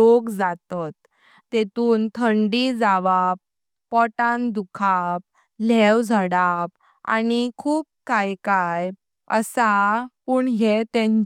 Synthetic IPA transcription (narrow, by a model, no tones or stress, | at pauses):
okd͡zat̪ɔt̪ː | et̪uːnt̪ʰəɳɖid͡zaʋapː | ɔʈãnd̪ukʰap̚ | lɛwd͡zʱəɽap̚ | a̰nikʰuːp̚kajkaj | ə̰sapuɳɦet̪ɛ̃ɲ